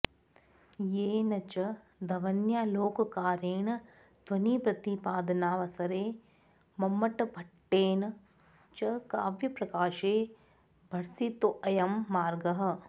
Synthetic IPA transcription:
jeːnɐt͡ʃɐ | d̪ʱɐʋɐnjaːloːkɐkaːɾeːn | d̪ʋɐniːpɾɐt̪ipaːd̪ɐnaːʋɐsɐɾeː | mɐmːɐʈɐbʱɐʈːeːn | t͡ʃɐkaːʋjɐpɾɐkaːʃeː | bʱɐɽsit̪oʔɐjɐmːaːɾɡɐɦɐ̆

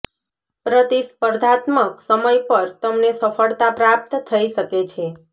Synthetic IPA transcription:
pɾət̪ispəɾd̪ʱat̪məksəməjpəɾt̪əmnesəfəɭt̪apɾap̚t̪t̪ʰəiʃəket͡ʃʰe

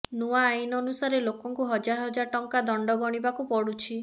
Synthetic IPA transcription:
nuaːjnɔnusaɾelokɔŋkuɦɔd͡ʒaɾɔɦɔd͡ʒaɾɔʈɔŋkad̪ɔɳɖɔɡɔɽ̃ibakupɔɽut͡ʃʰi

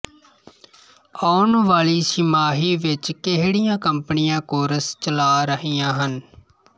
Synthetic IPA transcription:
ɔːnʋaːliːsɪmaːɦiːʋɪt͡ʃkeɦɽijãːkəmpənɪjãːkoːɾəst͡ʃəlaːɾəɦijãːɦən

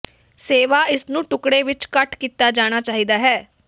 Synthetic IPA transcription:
seːʋaːɪsnũːʈʊkɽeːʋɪt͡ʃkəʈkiːt̪aːd͡ʒaːɽ̃aːt͡ʃaːɦiːd̪aːɦɛː

